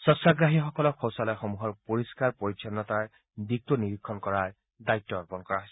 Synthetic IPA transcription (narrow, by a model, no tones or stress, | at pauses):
sɔsaɡɹaɦixɔkɔlɔkʰːɔwsalɔjxɔmuɦɔɹpoɹiskaɹpoɹisʰɔnːɔt̪aj | bik̚tɔniɹikʰːɔnkɔɹaɹ | dajtːɔɔɹpɔnkɔɹaɦojs